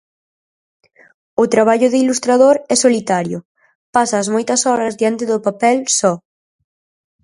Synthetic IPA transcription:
ʊt̪ɾaβ̞aʎʊðɪilust̪ɾaðoɾɛsolit̪aɾjʊ | pasɐzmojt̪ɐsɔɾɐzðjant̪ɪðʊpapɛlsɔ

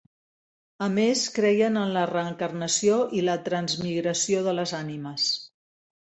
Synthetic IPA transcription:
əmeskɾɛjənənlərəːŋkərnəsioʔilət̪ɾənzmiɣɾəsioðələzaniməs

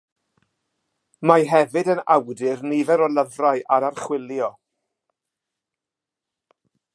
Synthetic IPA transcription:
maɦɛvɨdəna̰wdɪrnivɛɾɔləvrajʔaɾarχwɪljɔ

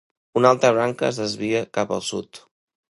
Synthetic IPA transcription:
unalˠt̪ɾəβ̞ɾaŋkəːzðəzβiəkapə̰lˠsṵt̪

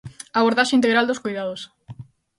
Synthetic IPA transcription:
aβoɾðaʃeint̪̬eɣɾald̪oskojðaðos

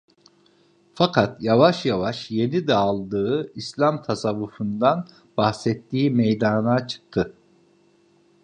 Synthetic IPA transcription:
fakʰat̪javaʃjavaʃje̞nid̪ɛalˠd̪ɯɯislʲamt̪ʰasavːufund̪an | bahsɛt̪ːiːmɛjd̪anat͡ʃʰɯ̥k̚t̪ʰɯ

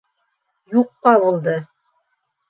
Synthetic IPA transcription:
juqːɑβulˠd̪ɤ

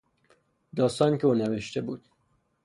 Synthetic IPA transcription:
d̪ɒːst̪ɒːnikʰʲeoːneveʃt̪e̞buːd̪̥

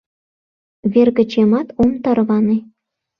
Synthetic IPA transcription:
βerɣə̆t͡ɕemɑt̪omt̪ɑrβɑnĕ

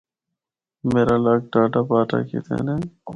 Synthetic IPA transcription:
meːɾaːlaːk̚ʈaːʈaːpaːʈa̰ːkḭt̪ḛːneː

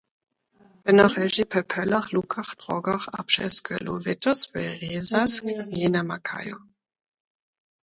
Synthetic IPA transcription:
b̥ɛnaχɛʒipʰɛpʰɛlaχlukʰaχd̥ʁɔɡaχa̰pʃɛ̰skʰəluvɛtʊsvɛʁeːzaskjenamakʰa̰jo

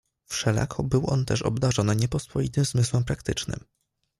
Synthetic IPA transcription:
fʂɛla̰kʰɔbɘwʔɔnt̪ɛʂɔ̰bd̪aʐɔnɛɲɛpɔspɔit̪ɘmzmɘswɛmpɾakt̪ɘt͡ʂnɘ̰m

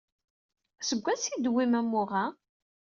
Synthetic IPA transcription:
səɡʷːæsid̪wimæmːʊʁa

